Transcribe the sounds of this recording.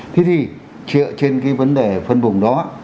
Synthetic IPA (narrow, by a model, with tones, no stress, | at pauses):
t̪ʰe˨˦t̪ʰi˨˩ | t͡ɕɨ̰˧˨t͡ɕe˧nkaː˨˦jvə˨˦nɗe˨˩fə˧nɓʊ˨˩ŋ͡mɗɔ˨˦